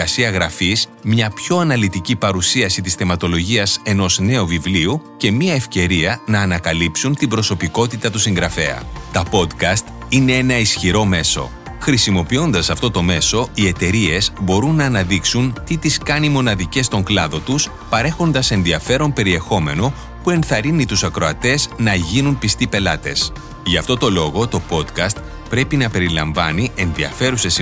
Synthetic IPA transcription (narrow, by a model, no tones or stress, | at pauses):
ɐsiɐɣɾɐfizmɲɐpço̞ɐnɐlit̪icipɐɾusiɐsit̪isθe̞mɐt̪o̞lo̞ʝiɐse̞no̞zne̞ovivliuce̞miɐe̞fce̞ɾiɐnɐːnɐkɐlipsunt̪ibɾo̞so̞piko̞t̪it̪ɐt̪usiŋɡɾɐfe̞̰ɐ̰t̪ɐpo̞d̪kɐst̪ine̞e̞nɐisçiɾo̞me̞so̞̰ | xɾisimo̞pio̞nd̪ɐsɐft̪o̞t̪o̞me̞so̞ie̞t̪e̞ɾie̞zbo̞ɾunːɐːnɐðiksunt̪it̪iskɐnimo̞nɐðice̞st̪o̞ŋklɐðo̞t̪us | pɐɾe̞xo̞nd̪ɐse̞nðiɐfe̞ɾo̞mpe̞ɾie̞xo̞me̞no̞ | pue̞nθɐɾinit̪usɐkɾo̞ɐt̪e̞znɐʝinunpist̪ipe̞lɐt̪e̞s | ʝɐft̪o̞t̪o̞lo̞ɣo̞t̪o̞po̞d̪kɐst̪ | pɾe̞pinɐpe̞ɾilɐ̰ɱvɐ̰niʔe̞nðiɐ̰fe̞ɾuse̞s